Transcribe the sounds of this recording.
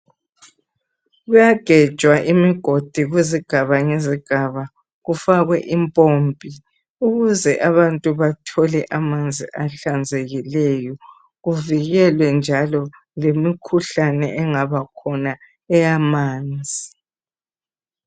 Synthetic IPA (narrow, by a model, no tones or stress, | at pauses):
ɣujaɡ̥ʱɛ̥ʒ̥ʱʼwaʔimiɡ̥ʱod̥ʱiɣiziɡ̥ʱaβaŋeziɡ̥ʱaβa | ɣufaɣwɛʔimpʼompʼi | uɣuzɛʔaβantʼuβatʰɔlɛʔamand͡zʱiʔaɬand͡zʱeɣilɛjɔ | ɣuviɣɛlwɛnd͡ʒʱalɔ | lemikʰuɬanɛ̰ʔɛŋaβakʰɔna | ɛjamaːnd͡zʱii